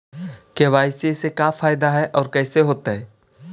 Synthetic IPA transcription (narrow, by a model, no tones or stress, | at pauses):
keʋaːɪsesekafaːjɪd̪aɦɛʔɔːɾkɛːseɦoːt̪aɦɛː